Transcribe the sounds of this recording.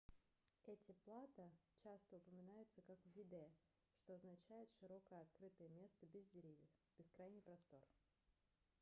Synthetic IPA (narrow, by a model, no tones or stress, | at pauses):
ɛtʲɪplˠat̪ət͡ɕast̪əʊpəmʲɪnajʊt̪səkakvʲɪd̪ɛ | ʂt̪oɐznɐt͡ɕæjɪt̪ʂɨɾo̞kəjəɐt̪kɾɨt̪əjəmʲe̞st̪əbʲɪzdʲɪɾʲivʲjəfb̥ʲɪskɾajnʲɪjpɾɐst̪o̞r